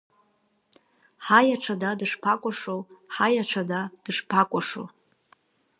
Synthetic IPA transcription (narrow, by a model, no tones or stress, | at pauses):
ħajaʈ͡ʂʰadadɨʂpʰakʷʼaʂowħajaʈ͡ʂʰadad̥ɨʂpʰakʷʼaʂo̰